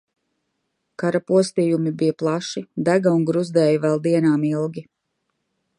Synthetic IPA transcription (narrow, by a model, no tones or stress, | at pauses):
kaɾapuɔst̪iːjumibijaplˠaʃid̪æɡauŋɡɾuzd̪ɛːjuvɛlˠd̪iɛnaːmilˠɡʲi